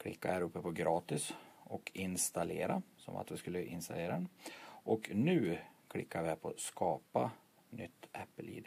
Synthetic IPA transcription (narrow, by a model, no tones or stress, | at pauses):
kʰɽɪ̰kːahæːɾɵpːəpʰɔɡɾɑːt̪ɪsɔkʰɪnst̪aleːɾasɔ̰ma̰t̪vɪskɵlːəʔɪnst̪aleːɾad̪ɛnʔɔknʉ̟ːkʰlɪkːavɪhæɾpʰɔskʰɑːpa | nʏt̪ːʔɛpːəlḭːd̪